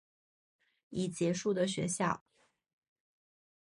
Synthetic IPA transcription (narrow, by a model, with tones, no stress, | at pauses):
i˨˩t͡ɕjɛ˧˥ʂu˥˩d̪ə˩ɕɥɛ˧˥ɕjɑ˥˩ʊ